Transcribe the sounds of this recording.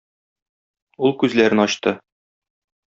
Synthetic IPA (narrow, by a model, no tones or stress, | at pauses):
ulˠkʉzlæɾɘnɒɕt̪ɤ